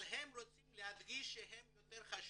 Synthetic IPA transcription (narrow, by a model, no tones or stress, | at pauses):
lɦemʁot͡simlehad̪ɡiʃːeɦemjot̪eʁχaʃ